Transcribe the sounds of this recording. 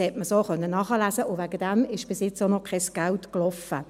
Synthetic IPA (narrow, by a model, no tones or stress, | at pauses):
hɛtməsoχœnːənɑːχəlæːsəʊvæɡəd̥ɛmɪʃb̥ɪsjɪt͡sonɔkʰɛsɡ̥altklɔfə